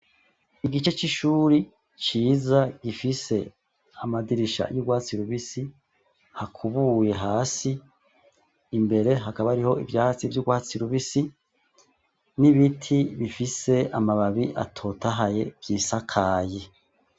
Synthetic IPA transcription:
iɡit͡ʃe̞t͡ʃiʃuːɾi | t͡ʃiːzaɡifise̞ | amadiɾiʃa̰juɡwaːt͡siɾuβisi | hakʰuβuje̞ɦaːsi | mbe̞ɾe̞ɦakaβaaɾiho̞ivjaːhat͡sivjuɡwaːt͡siɾuβisi | niβitʰiβifise̞amaβaβiʔa̰tʰo̞ːtaɦaje̞vjiːsakʰaːje

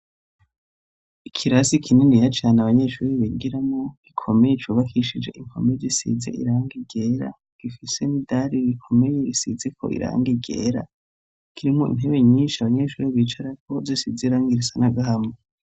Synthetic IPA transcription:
ikʰiɾasikʰinenijat͡ʃaːnaβaɲe̞ːʃuːɾiβiɡiɾamŋoɡ̥ikʰo̞me̞jet͡ʃuβakʰiʃid͡ʒe̞̰ʔiŋkʰo̞̰mezisḭzḛʔḭɾaːŋɡiɡeːɾa̰ | ɡ̥ifise̞nidaɾiɾikʰo̞me̞jeɾisizekʰo̰ʔḭɾa̰ːŋɡiɡḛːɾa̰ | kʰiɾimoḭn̥ɦeβeɲiːnʃiaβaɲe̞ʃuːɾiβiːt͡ʃaɾako̞zisizeiɾaːŋɡiɾisanaɡahame

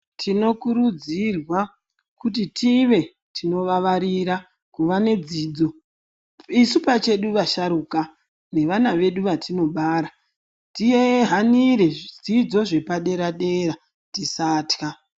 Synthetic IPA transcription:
tʰino̞kuɾud͡zirwa | kutitʰiʋe̞ | tʰino̞ʋaʋaɾiɾa | kuʋane̞d͡ziːd͡zo̞ | isupat͡ʃe̞ɗuʋaʃaɾuka | ne̞ʋanaʋe̞ɗuʋatʰino̞ɓaːɾa | tijeɦaniɾe̞d͡zid͡zo̞ʐe̞paɗe̞ɾaɗe̞ɾa | tisaːtka

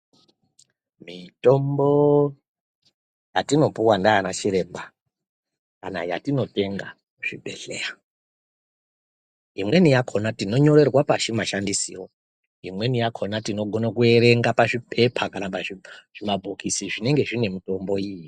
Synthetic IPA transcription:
mito̞mbo | jatino̞puwandaanat͡ʃiɾe̞ːmba | kana̰ja̰tino̞te̞ŋɡa | ʐ̥ibʱe̞̰ɮera | imwe̞nijakʰo̞natino̞ɲo̞ɾe̞rwapaʃimaʃandisḭro̞ | imwe̞nijakʰo̞natino̞ɡʱo̞nakue̞ɾe̞ŋɡapaʐipʰe̞pʰakanapaʐiʐ̥imabʱokisiʐine̞ŋɡe̞ʐine̞mito̞mbo̞iji

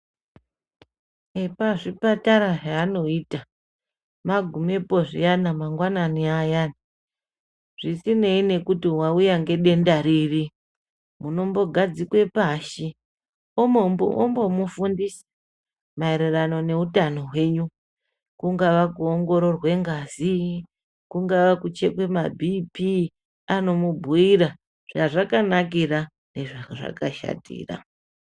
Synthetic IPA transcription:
epaʐipataɾaʐaːno̞iːta | maɡʱume̞po̞ʐḭjanamaŋɡwananiajana | ʐ̥isine̞ine̞kutiwaujaŋɡe̞ɗe̞ndaɾiːri | muno̞mbo̞ɡʱad͡zikwe̞paːʃi | omoombo̞mufundisḁ | maeɾirano̞ne̞utano̞ɦwe̞ːɲu | kuŋɡaʋakuoŋɡo̞ɾo̞rwe̞ŋɡazi | kuŋɡaʋakut͡ʃe̞̰kwe̞mabʱipi | ano̞mubʱuiɾa | ʐ̥aʐakanak̬ira | ne̞ʐaʐa̰kaʃa̰tḭːra̰

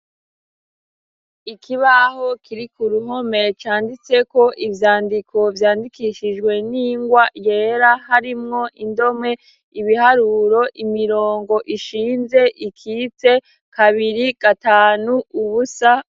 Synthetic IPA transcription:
ikʰiβaho̞kʰiɾikuɾuɦo̞me̞t͡ʃaːndit͡se̞ko̞ʔivjaːndikʰo̞vjaːndikʰiʃid͡ʒɡwe̞niːŋɡwaje̞ːɾahaɾimŋo̞ʔindo̞mŋe̞ | iβiɦaɾuɾo̞ʔimiɾo̞ːŋɡo̞ʔiʃiːnze̞ʔikʰiːt͡se̞ | kaβiɾiɡ̥ataːnuuβusa

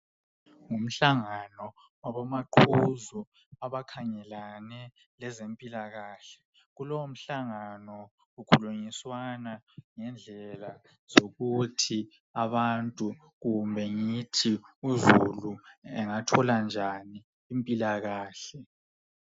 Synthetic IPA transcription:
ŋum̩ɬaŋanɔ | waβamaǃʰuzu | aβakʰaŋɛlanɛ | lɛzempʼilaɣaːɬɛ̥ | ɣulɔwom̩ɬaŋanɔ | ɣukʰuluŋiswanaŋɛnd͡ɮʱɛla | z̥oɣutʰi | aβantʼu | ɣumbʱɛŋitʰiuzuluɛŋatʰɔland͡ʒʱaniː | mpʼilaɣaːɬɛ

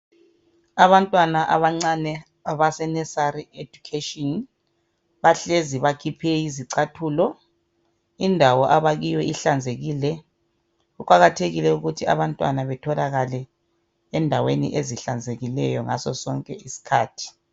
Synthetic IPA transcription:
aβantʼwanaʔaβaŋ͡ǀanɛ | aβasɛnɛsaɾiedukʰetʼɔn | βaɬeziβakʰipʰɛiziǀatʰuːlɔ | indʱawɔʔaβaɣijwɛiɬand͡zʱeɣilɛ | ukʼaɣatʰeɣilɛuɣutʰia̰βantʼwa̰naβɛtʰɔlaɣalɛ | ɛndʱawenḭʔeziɬand͡zʱeɣilɛjɔ̰ŋa̰sɔ̰sɔŋkʼɛisi̥kʰa̰ːtʰi̥

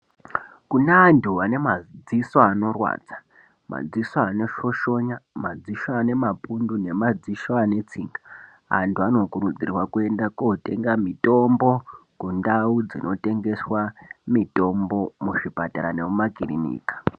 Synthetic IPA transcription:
kunaːndʰuane̞mad͡zisoano̞rwa̰ːd͡zḁ | ma̰d͡zisoano̞ʃo̞ʃo̞ɲamad͡ziʃoane̞mapundune̞mad͡ziʃoane̞t͡siŋɡa | a̰ntʰuano̞kuɾud͡zirwakue̞ndakote̞ŋɡamito̞mbo̞kundaud͡zinʔo̞te̞ŋɡe̞swamito̞mbo̞muʂipataɾa̰ne̞mumakirḭnḭːkḁ

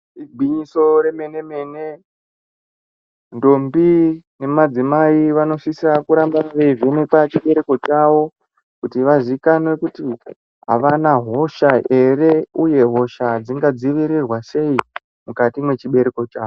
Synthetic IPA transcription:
iɡʱwiɲiso̞ɾe̞me̞ne̞me̞ne̞ | ndo̞mbine̞mad͡zimaiʋano̞sisiakuɾambaʋe̞ivenekat͡ʃiɓe̞ɾeko̞t͡ʃaʋo̞ | kutiʋaʐikanwe̞kuti | ɦa̰ʋanaɦo̞ʃae̞ɾe̞uje̞ɦo̞ʃad͡ziŋɡad͡ziʋiɾirwase̞i | mukatimwe̞t͡ʃiɓe̞ɾeko̞t͡ʃaːo

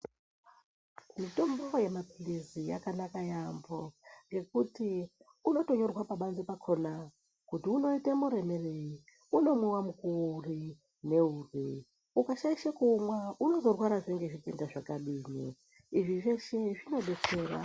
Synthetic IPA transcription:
mitombo̞je̞mapilizija̰kanakajamboŋɡe̞k̚uti | uno̞to̞ɲo̞rwapaɓanzipakʰona | kutiuno̞itemuɾe̞me̞rei | uno̞mwiwamukuri | ne̞uːri | ukaʃaiʃakumwauno̞zorwaɾaʐeŋɡeʐikendaʐakaɗiːnḭ | iʐiʐeʃe̞ʐino̞ɓe̞t͡seːɾa̰

